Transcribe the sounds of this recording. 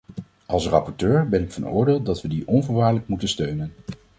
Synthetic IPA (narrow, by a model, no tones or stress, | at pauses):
ɑlˠsrɑpɔɹtøːɹbɛnɪkfɑ̰nʊ̰ːɹdeːlˠdɑtʋədiʔɔnvəɹʋaːɹləkmutənstøɥnən